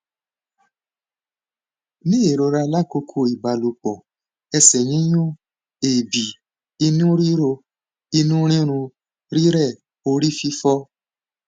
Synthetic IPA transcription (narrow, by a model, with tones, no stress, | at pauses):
nĩ˦e˨ɾo˧ɾa˧la˦˨ko˧kʰo˧˦i˨ba˨lu˨k͡pɔ˨ | ɛ˧sɛ˨ɲĩ˨˦jũ˦ | e˨bi˨ | i˧nũ˦ɾi˦ɾo˧ | i˧nũ˦ɾ̃ĩ˦ɾ̃ũ˧ | ɾi˦ɾɛ˦˨ | o˧ɾi˦fi˧fɔ˦